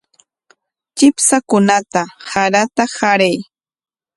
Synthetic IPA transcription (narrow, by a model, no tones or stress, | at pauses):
t͡ʃɪpsakʊnat̪ahaɾat̪ahaɾaj